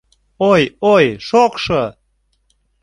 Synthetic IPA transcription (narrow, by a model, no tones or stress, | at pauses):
ojojʃokʃə